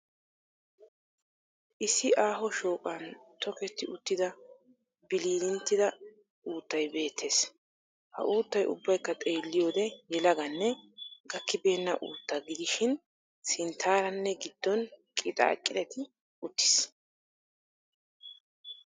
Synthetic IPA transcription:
ʔɪsːɪʔaːɦɔʃo̞ːkʼɐnt̪ɔkɛt̪ːɪʔʊt̪ːɪd̪ɐ | bɪliːd̪ɪnt̪ːɪd̪ɐ | uːt̪ːɐjbe̞ːt̪ʰːe̞ːs | hɐ̰ʔuːt̪ːɐjʔʊ̰bːɐjkːɐt̪ʼe̞ːlːɪjo̞ːd̪ɛjɛlɐɡɐnːɛɡɐkːɪbe̞ːnːɐʔṵːt̪ːɐɡɪd̪ɪʃɪn | sɪnt̪ʰːaːɾɐnːɛɡɪd̪̥ːɔnkʼɪt̪ʼa̰ːkʼːɪd̪ɛt̪ɪ | ʊt̪ːɪ̥s

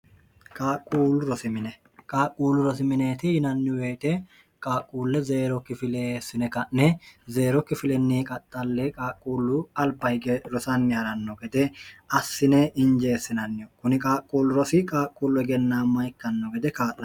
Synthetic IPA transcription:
kʼaːkʼːuːlʊɾɔsɪmɪnɛ | kʼaːkʼːuːlːʊɾɔsɪmɪneːt̪ɪhɪnɐnːɪweːt̪ɛ | kʼaːkʼːuːlːɛze̞ːɾɔkːɪfɪleːsːɪnɛkɐnːɛze̞ːɾɔkːɪfɪlɛnːiːkʼɐt̪ʼːɐlːɛkʼaːkʼːuːlːʊɐlbɐɪɡɛɾɔsɐnːɪhɐɾɐnːɔɡɛd̪ɛɐsːɪnɛʔɪnd͡ʒeːsːɪnɐnːɪɔkʊnɪkʼaːkʼːuːlːʊɾɔsɪkʼaːkʼːuːlɔɡɛnːaːmːɐjkːɐnːɔɡɛd̪ɛkaːʔɐ

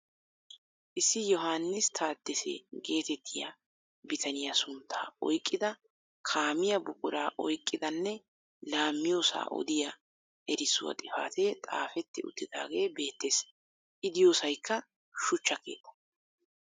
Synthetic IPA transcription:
ʔɪsːɪjɔɦaːnːɪst̪ʰaːd̪ːɛsḛːɡe̞ːt̪ɛt̪ːɪja̰ | bɪt̪ʰɐnɪjɐsʊnt̪ʰːa̰ːɔ̰jkʼːɪd̪ɐ | kʰaːmɪjɐbʊkʼʊɾaːʔɔjkʼːɪd̪ɐnːɛ | laːmːɪjo̞ːsa̰ːʔɔ̰d̪ɪjɐ | ʔɛɾɪsʊwɐ̰t̪ʼɪfa̰ːt̪et̪ʼa̰ːfɛt̪ːɪʊ̰t̪ːɪd̪a̰ːɡe̞ːbe̞ːt̪ːeːs | ʔɪd̪ɪjo̞ːsɐjkːɐ | ʃʊt͡ʃːɐke̞̰ːt̪ːɐ̥

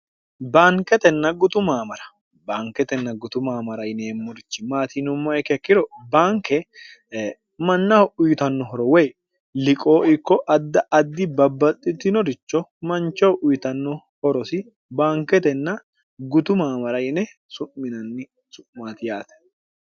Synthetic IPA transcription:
baːŋkɛt̪ɛnːɐɡʊt̪ʊmaːmɐɾɐ̥ | baːŋkɛt̪ɛnːɐɡʊt̪ʊmaːmɐɾɐjneːmːɔɾɪt͡ʃːɪmaːt̪inʊmːɐɛkɛkːɪɾɔbaːŋkɛ | mɐnːɐʊjt̪ɐnːɔɦɔɾɔwɛj | lɪkʼo̞ːɪkːɔʔɐd̪ːɐʔɐd̪ːɪbɐbːɐt̪ʼːɪt̪ːɪnɔɾɪt͡ʃːɔmɐnt͡ʃːɔwʔʊjt̪ɐnːɔ | hɔɾɔsɪ | baːŋkɛt̪ɛnːɐ | ɡʊt̪ʊmaːmɐɾɐjnɛ | sʊʔːɪnɐnːɪ | sʊʔmaːt̪ɪjaːt̪ɛ̥

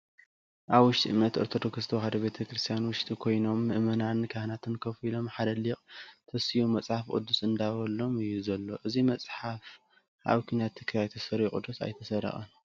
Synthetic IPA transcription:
ʔaβwʊʃt̪ʼiʔɨmnɐt̪ʔoɾt̪ʰot̪ʰokɾɨst̪ʰowhad̪ɐβe̞t̪ʰɐkɾɨst̪ʰijanwʊʃt̪ʼikʰo̞jno̞mːɨʔmɐnankʰahnat̪ʰɨnkʰɐfilo̞mħad̪ɐliqʼt̪ʰɐsijumːɐt͡sʼħafkʼṵd̪ːusɨnd̪aβɐlːo̞mɨjːuzɐlːo̞ʔɨzimɐt͡sʼħaf | ʔa̰βkʰunat̪ʰːɨkʰɐjajt̪ʰɐsɐɾikʼṵd̪ːusa̰jt̪ʰɐsɐɾɐ̰χʼɐ̰n

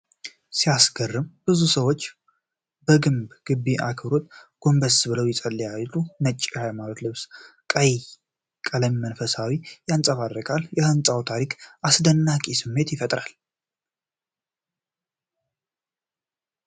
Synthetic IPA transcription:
sijasɡərːɨmb̥ɨzusəwo̞t͡ʃː | bəɡɨmbɡ̥ɨbːiʔa̰kʰɨβɾo̞t̪ɡ̥o̞mbəsbɨləwjɪsʼəlːijallːunət͡ʃʼːihajmalot̪lɨβskʼəj | kʼələmmənfəsawijansʼəβad̪ɾəkʼalːjɛhənsʼawt̪ʰaɾikʔasd̪ənːakʼisɨmːe̞t̪jɪfət̪ʼɾal

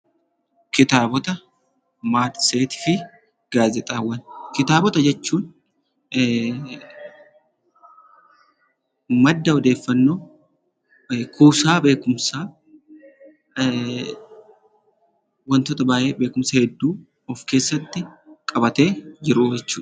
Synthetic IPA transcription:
kɪt̪aːbɔt̪ɐ | maːd̪seːt̪ɪ̥fɪ | ɡ̥aːzɛt̪ʼawːɐnkɪt̪aːbɔt̪ɐd͡ʒɛt͡ʃːuːn | mɐd̪ːɐɔd̪e̞ːfːɐnːo̞ː | kuːsaːbe̞ːkʊmsaː | wɐnt̪oːt̪ɐbaːʔeːbe̞ːkʊmsɐhɛd̪ːuː | ɔfke̞ːsːɐt̪ːɪkʼɐbɐt̪e̞ːd͡ʒɪɾʊd͡ʒɛt͡ʃːuːɐ

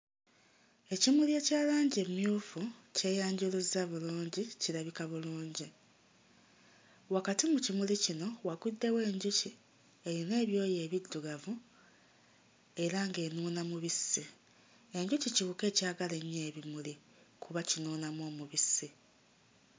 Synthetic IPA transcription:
e̞cimulje̞ːcaːlaːɲɟemjuːfuce̞ːjaːɲɟuluzaβuluːɲɟiciɾaβikaβuluːɲɟi | wakatimucimulicino̞waɡudːe̞we̞ːɲɟuci | e̞βine̞ːβjo̞ːje̞ːβidːuɡavu | e̞ɾaŋɡe̞ːnuːnamuβisːi | e̞ɲɟuciciβuke̞ːcaːɡale̞ɲːeːβimuli | kʰuβacinuːnamo̞ːmuβisːi

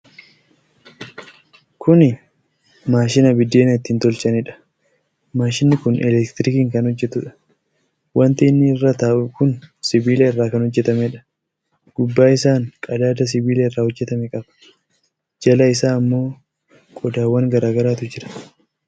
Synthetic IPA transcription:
kʰʊnɪ | maːʃɪnɐbɪd̪ːeːnɐɪt̪ːɪɪnt̪ɔlt͡ʃɐnɪᶑɐ̥ | maːʃɪnːɪkʊnɛ̰lɛkt̪ɾɪkiːŋkɐnhɔd͡ʒːɛt̪ʊᶑɐ̥ | wʔɐnt̪iːnːɪɪrːat̪aːʔʊkʊnsɪbiːleːɪrːaːkɐnhɔd͡ʒːɛt̪ɐmɛᶑɐ̥ | ɡ̥ʊbːaːɪsaːŋkʼɐd̪aːd̪ɐs̬ɪbiːleːɪrːaːhɔd͡ʒːɛt̪ɐmɛkʼɐbɐ̥ | d͡ʒɐlɐɪs̬aːɐmːo̞ː | kʼɔd̪aːwːɐŋɡɐɾaːɡɐɾaːt̪ʊd͡ʒɪɾɐ̥

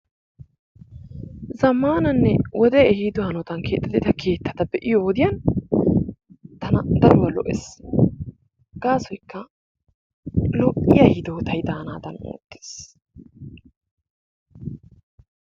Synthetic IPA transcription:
zɐmːaːnɐnːɛwɔd̪ɛɛhiːd̪ʊhɐnɔt̪ɐnke̞ːt̪ːɐd̪ɛt̪ɐkʰe̞ːt̪ʰːɐ̥t̪ɐbɛʔɪjɔwɔd̪ɪjɐn | t̪ɐnɐd̪ɐɾɔwɐlɔ̰ʔes | ɡ̥aːsɔjkːɐ | lɔʔɪjɐhɪd̪oːt̪ɐjd̪aːnaːd̪ɐno̰ːt̪ːe̥ːs

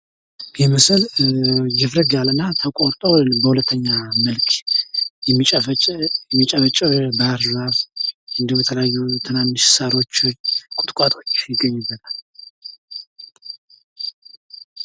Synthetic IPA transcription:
jɛməsəl | d͡ʒɪfɾəɡalənːat̪ʰəkʼot̪ʼəwbəhulət̪ʰːəɲːaməlkʰjɛmːit͡ʃʼ | ɛmːit͡ʃʼəβət͡ʃʼəbəaɾzaβʔɨnd̪əbɛt̪ʰələjajːut̪ʰɨnanːɨʃsaɾo̞t͡ʃːkʼʊt̪ʼkʼat̪ʰʼot͡ʃːjɪɡːəɲːɪbːət̪ʰal

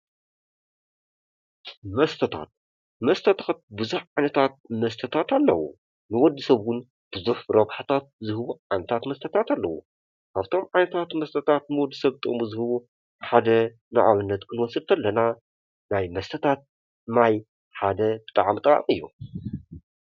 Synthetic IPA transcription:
mɐst̪ʰɐt̪ʰa̰t̪̚ | mɐst̪ʰɐt̪ʰat̪̚bɨzuħʕajnɐt̪ʰat̪̚mɐst̪ʰɐt̪ʰat̪alːɐ̰wṵ | nɨwɔd̪ːɨsɐβɡʊn | b̥ɨzuħɾɐβħat̪ʰat̪̚zɨhɨβuʕajnɐt̪ʰat̪mɐst̪ʰɐt̪ʰat̪alːɐwṵ | kʰaβt̪ʰo̞mʕajnɐt̪ʰat̪mɐst̪ʰɐt̪ʰat̪̚nɨwɔd̪ːɨsɐβt̪ʼmuzɨhɨβu | ħad̪ɐ | na̰ʕa̰βɨnːɐt̪kʰɨnwɔsɨlt̪ʰɐlːɐna | najmɐst̪ʰɐt̪ʰat̪̚ | naj | ħad̪ɐbɨt̪ʼaʕmt̪ʼaa̰mɨjːṵ

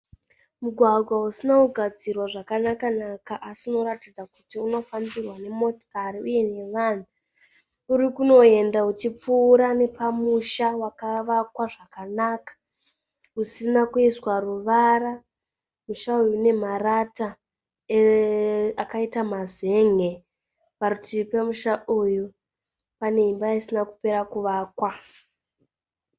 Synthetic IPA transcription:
muɡʱwaɡʱwaɦusinakuɡʱad͡zirwaʐakanakanakaʔasino̞ratid͡zakutiuno̞fambirwane̞mo̞tkaɾiuje̞ne̞ʋan̤u | uɾikuno̞e̞ndaut͡ʃip͡fuːɾane̞pamuʃawakaʋakwaʐakanakḁ | usinakuiswaruʋaɾa | muʃaujune̞marata | e | akaitamaze̞ŋe̞ | paɾutipemuʃauju | pane̞imbaisinaku̥pe̞ɾakuʋaːkwa

